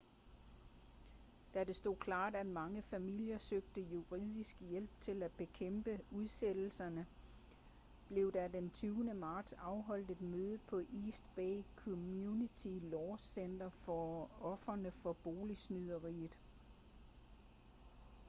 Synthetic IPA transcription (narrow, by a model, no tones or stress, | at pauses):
d̥æd̥e̝sd̥o̝̰ːkʰlɑ̈ːd̥æd̥mɑ̈ŋəfæmil̰jɐsøɡ̥̚d̥əjuʁið̰ˠisɡ̥jel̰b̥̚t͡sʰe̝læb̥e̝kʰem̰b̥əuð̞ˠsed̥l̩sɐnə | b̥le̝ʊd̥ɑd̥ent͡sʰyːʊnəmɑ̈ːd̥sɑ̈ʊɦɒ̽l̰d̥e̝d̥møːð̞ˠəpʰɒ̽ʔiːsd̥b̥ɛɪkʰɔmjunit͡sʰilɒːsend̥ɐfɒɒ̽fʁɐnəfɒ̽b̥o̝ːlisnyð̞ˠɐʁḭːð̩ˠ